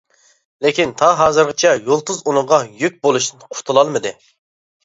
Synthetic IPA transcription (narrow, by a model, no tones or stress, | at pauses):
lekʲint̪ʰɑɦɑːzɨɾʁɨt͡ʃʰɛjolˠt̪uzunʊŋʁɑjyk̚ʲbolˠuʃnɨnqʰʊɾt̪ʰulˠɑlˠmɨd̪ɨ